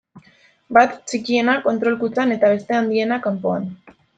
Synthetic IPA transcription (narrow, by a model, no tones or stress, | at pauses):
bat̪t͡ʃikie̞nako̞nt̪ɾo̞lkut͡sane̞t̪aβ̞e̞st̪e̞and̪ie̞nakampo̞a̰n